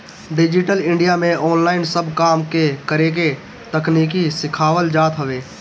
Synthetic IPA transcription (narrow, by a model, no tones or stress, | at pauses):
ɖɪd͡ʒɪʈəlɪ̃ɳɖijamẽʔɔːnlaːɪnsəbʱkaːmkekəɾek̬e | t̪əkniːk̬isɪkʰaːʋəld͡ʒaːt̪ɦəʋeː